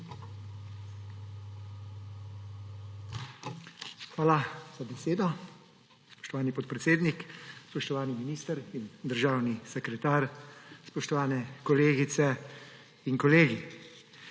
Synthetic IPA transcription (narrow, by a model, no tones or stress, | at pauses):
xʋaːlaz̥abɛseːd̪ɔ | spɔ̥ʃt̪ɔʋaːnipɔt̪̚pɾɛt̪seːd̪nikspɔʃt̪ɔʋaːniminiːst̪əɾind̪əɾʒaːwnisɛkɾɛt̪aːɾspɔʃt̪ɔʋaːnɛkɔleːɡit̪sɛ | iŋkɔleːɡi